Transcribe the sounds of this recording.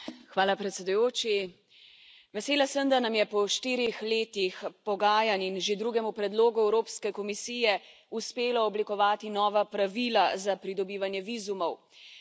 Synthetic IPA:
xʋaːlapɾɛt̪sʲɛd̪ujoːt͡ʃi | ʋɛseːlasəmd̪anamjɛpɔʃt̪iːɾixleːt̪ixpɔɡaːjaninʒed̪ɾuɡɛmupɾɛd̪loːɡuɛwɾoːpskɛkɔmisiːjɛ | uspeːlaɔblikɔʋaːt̪inɔːʋapɾaʋiːlazapɾid̪ɔbiːʋanjɛʋiːzumɔw

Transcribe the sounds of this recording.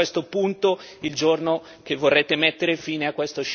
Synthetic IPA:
est̪opunt̪oild͡ʒorno | k̟evːorːeːt̪emɛt̪ːeɾefiːneakːwest̪oʃ

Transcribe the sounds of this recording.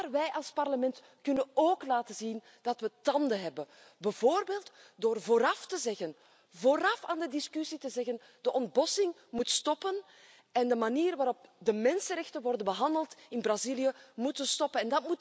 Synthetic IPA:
arʋɛjʔɑlˠspɑrləmɛnt | kʏnənoːklaːtəzin | d̥ɑtʋətɑndəɦɛbən | bɛvoːrbeːlˠtdoːrvoːɾɑftəzɛɣən | voːɾɑfaːndədɪskʏsitəzɛɣən | d̥əʔɔnd̚bɔsɪŋ | mutstɔpən | ɛndəmaniːrʋaːɾɔp̚dəmɛnsənrɾɛxtənʋɔrdənbəɦɑndəlˠtɪnbrazilijəmutənstɔpənɛndɑtmut

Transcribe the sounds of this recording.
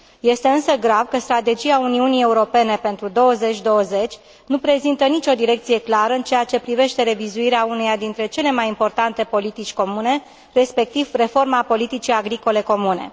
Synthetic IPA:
je̞st̪e̞ɨnsəɡɾavkəst̪ɾat̪e̞d͡ʒiauniunie̞uɾo̞pe̞ne̞pe̞nt̪ɾud̪o̞wəze̞t͡ʃʲd̪o̞wəze̞t͡ʃʲ | nupɾe̞zint̪ənit͡ʃʲo̞d̪iɾe̞k̚t̪sije̞klaɾəɨnt͡ʃe̞jat͡ʃe̞pɾive̞ʃt̪e̞ɾe̞vizuiɾeaunejad̪int̪ɾe̞t͡ʃe̞le̞majimpo̞rt̪ant̪e̞po̞lit̪it͡ʃʲko̞mune̞ | re̞spe̞k̚t̪ivre̞fo̞rmapo̞lit̪it͡ʃiaɡɾiko̞le̞ko̞munḛ

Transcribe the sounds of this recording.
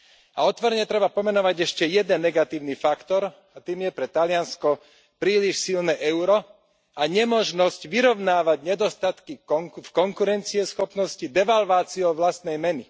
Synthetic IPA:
aɔt̪ʋɔɾɲɛt̪ɾɛbapɔmɛnɔʋaɟɛʃcɛjɛd̪ɛnːɛɡat̪iːʊnifakt̪ɔɾ | at̪iːmjɛpɾɛt̪alɪanskɔ | pɾiːliʃsilnɛːʔɛʊɾɔ | aɲɛmɔʒnɔscʋiɾɔʊnaːʋaɟɲɛd̪ɔst̪at̪kifkɔŋkuɾɛnt͡siɛsxɔpnɔscid̪ɛʋalʋaːt͡siɔʋlast̪nɛjmɛni

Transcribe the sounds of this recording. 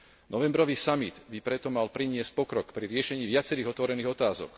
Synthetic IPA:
nɔʋɛmbɾɔʋiːsamid̪bipɾɛt̪ɔmalpɾiɲɪɛsc̚pɔkɾɔkpɾiɾɪɛʃɛɲiːʋɪat͡sɛɾiːɣɔt̪ʋɔɾɛniːɣɔt̪aːzɔ̰k

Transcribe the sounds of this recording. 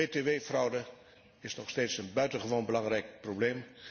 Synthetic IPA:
eteʋeːfrʌwdə | ɪsnɔχsteːtsənbœɥtənχəʋoːnbəlɑŋrɛjk̚probleːm

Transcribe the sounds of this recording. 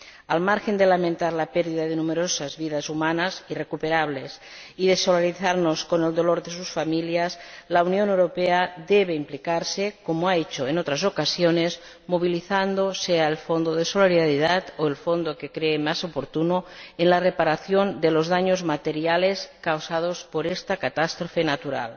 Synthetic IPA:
almaɾxe̞nd̪elamẽnt̪aɾlapeɾðiðaðenumeɾosazβiðazumanasire̞kupeɾaβ̞le̞s | iðesolaɾiθaɾnoskone̞ld̪o̞loɾðe̞s̬usfamiljaslaunjonewɾo̞peaðeβe̞implikaɾsekomoaet͡ʃoenot̪ɾasokasjonez | moβ̞iliθand̪oseaelfond̪oðesoleɾiðaɾiðat̪oelfond̪okekɾeːmasopoɾt̪unoenlarepaɾaθjo̞nd̪elozðaɲozmat̪eɾjaleskawsaðospoɾest̪akat̪ast̪ɾofe̞nat̪uɾa̰l

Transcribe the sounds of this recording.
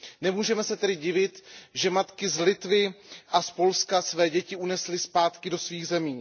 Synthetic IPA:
nɛmuːʒɛmɛsɛt̪ɛdɪɟɪvɪt̪ʒɛmat̪kɪzlɪt̪vɪʔaspo̞lskasvɛːɟɛcɪunɛslɪspaːt̪kɪdo̞sviːɣzɛmiː

